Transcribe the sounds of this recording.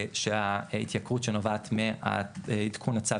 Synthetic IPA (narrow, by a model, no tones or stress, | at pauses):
ʃeaḭt̪jakʁutʃenovaːt̪mea̰id̪kʰunat͡sa